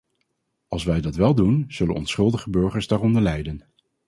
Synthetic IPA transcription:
ɑlˠsʋɛjdɑtʋɛlˠdunz̥ɵlənɔ̰nsχɵlˠdəχəbøɹχəɹzdaːrɔndəɹlɛjdən

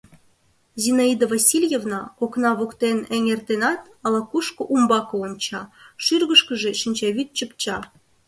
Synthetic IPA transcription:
zinɑid̪ovɑsʲilʲjevnɑkoknɑβokt̪enɘ̆ŋʲert̪enɑt̪ | ɑlɑkuʃkɤ̆ʔumbɑkoonʲt͡ɕɑʃyrɣə̆ʃkə̆ʒĕʃinʲt͡ɕɑβʲit̪̚t͡ɕəpt͡ɕɑ

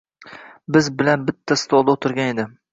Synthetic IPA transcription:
bɪzbɪlanbɪt̪ʰːast̪ɒlˠd̪aot̪ʰɪɾɡʲaned̪ɪ

